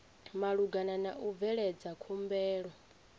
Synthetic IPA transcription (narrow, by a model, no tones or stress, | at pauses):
maɺuɡananaʔuvɛɺɛd͡zakʰumbɛːɺɔ